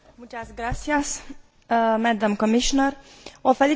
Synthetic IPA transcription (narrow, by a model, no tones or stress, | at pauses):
mut͡ʃasɡɾat̪sijas | mɛd̪amkomiʃonərofeli